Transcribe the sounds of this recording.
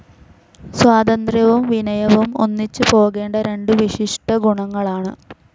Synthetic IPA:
swaːd̪ɐnd̪rjɐʋumʋinɐjɐʋumo̞̰nːit͡ɕːɨpo̞ːɣe̞ːɳɖɐɾe̞ɳɖɨʋiʂiʂʈɐɡuɳɐŋːɐɭaːɳɨ̰

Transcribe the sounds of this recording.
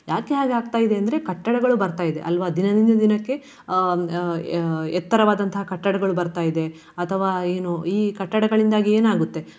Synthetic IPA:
jaːke̞ɦaːɡeaːɡ̚t̪aːjid̪e̞ɐnd̪ɐɾekɐʈːɐɽɐɡɐɭubɐɾt̪aːjid̪e̞ʔɐlʋaːd̪inɐd̪ind̪ɐd̪inɐkːe̞ | ɛt̪ːɐɾɐʋaːd̪ɐnt̪ʰɐɦɐkɐʈːɐɽɐɡɐɭubɐɾt̪aːjid̪e̞ | ɐt̪ʰɐʋaːeːnuiːkɐʈːɐɽɐɡɐɭind̪aːɡieːnaːɡut̪ːe̞

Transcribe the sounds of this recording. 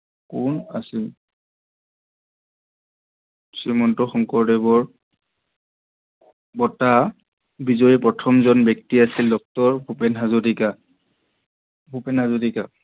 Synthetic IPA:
kunasil | simɔntɔxɔŋkɔɹdɛbɔɹ | bɔta | bizɔjɛpɹɔtʰɔmzɔnbjɔk̚tiasildɔk̚tɔɹbʱupɛnɦazudika | bʱupɛnɦazudika

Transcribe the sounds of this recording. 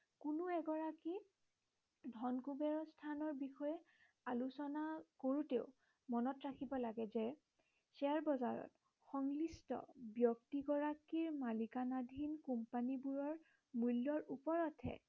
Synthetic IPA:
kunʊɛɡɔɹaki | dʱɔnkubɛɹɔstʰanɔɹbixɔjɛ | alusɔnakoɹuteʊ | mɔnɔtɹakʰibɔlaɡɛzɛ | sɛaɹbɔzaɹɔ̰t | xɔŋlistɔ̰bjɔk̚tiɡɔɹakiɹmalikanadʱinkumpanibuɹɔɹ | mulːɔɹupɔɹɔtʰɛ̰

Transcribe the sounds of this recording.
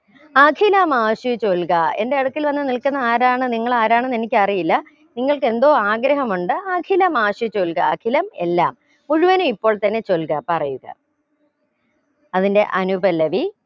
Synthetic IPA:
aːkʰilɐmaːʂut͡ɕolkɐe̞̰nde̞ɐɽukːilʋɐnːɨnilkunːɐaːɾaːɳɨniŋːɐɭaːɾaːɳɨnenikʲːɐrijilːɐ | niŋːɐɭkɨe̞nd̪o̞ːaːɡɾɐɦɐmuɳɖɨaːkʰilɐmaːʂut͡ɕolkɐ̰ːkʰilɐme̞lːa̰ːm | uɻuʋɐnuipːo̞ːɭt̪ɐnːe̞t͡ɕo̞lkɐpɐrɐjuɣɐ̰ | ɐðinde̞̰ʔɐnubɐlːɐʋi

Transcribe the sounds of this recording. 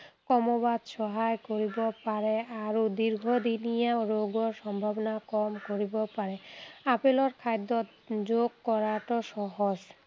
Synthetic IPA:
kɔmobad̪ʃɔɦaekoɾibopaɾeaɾod̪iɾɡʱod̪inijaɾoɡoɾʃɔmbʱabonakɔmkoɾibopaɾeapeloɾkʰajd̪ot̪ | d͡ʑoɡ̚kɔɾaʈoʃɔɦod͡ʑ

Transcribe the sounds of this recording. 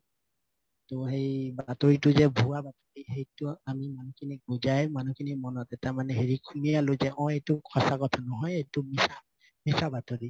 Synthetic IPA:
toɦejbatoɹitʊzɛbʱuabatoɹiɦejtʊamimanukʰiniɡuzajmanukʰinimɔnɔtɛtaɹmanɛɦeɹikʰumialʊzɛʔɔ̃ejtʊkʰɔsakɔtʰanɔɦɔjejtʊmisa | misabatoɹi

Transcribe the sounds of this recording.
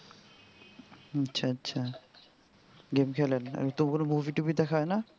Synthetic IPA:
atːʃʰaatːɕʰa | ɡemkʰɛlen̰t̪omkonomuviʈubid̪ɛkʰaena

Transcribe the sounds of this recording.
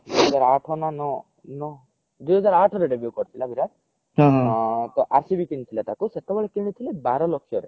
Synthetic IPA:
d̪ujɦɔd͡zaɾaʈʰɔnanɔ | nɔ | d̪ujɦɔd͡zaɾaʈʰɔɾeɖebjukɔɾt̪ʰilabʱiɾã | ɦt̪ɔʔaɾsibikint̪ʰilat̪akuset̪ɔbɔɭekiɽ̃it̪ʰilebaɾɔlɔkʰːjɔɾe

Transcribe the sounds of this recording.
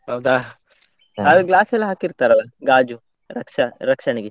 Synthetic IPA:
ɦɐwd̪aː | alɡlaːsɛlːɐɦaːkiɾt̪aːɾɐlɐɡaːd͡ʒu | ɾɐkʂɐɾɐkʂɐɳiɡi

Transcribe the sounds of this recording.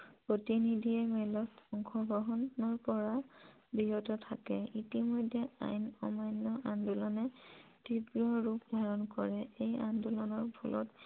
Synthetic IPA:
pɹotinidʱiɛmɛlɔsɔŋxɔbɔɦɔnɔɹpɔɹa | biɦɔtɔtʰakɛ̰itimɔjdʱːɛa̰jnɔ̰majnːɔʔandulɔnɛtibɹɔɹupdʱaɹɔnkɔɹɛejandulɔnɔɹbʰɔlʔɔ̰t

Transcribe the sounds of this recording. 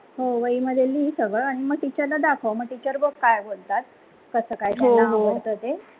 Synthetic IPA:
ɦoʋəiməd̪ʱjelisəɡəɾaɽ̃iməɡ̚ʈit͡ɕəɾlad̪akʰəʋməɡ̚ʈit͡ɕəɾbəkːajbolt̪at̪̚ | kəsəːkajt̪ɛːaɦbolt̪ət̪e

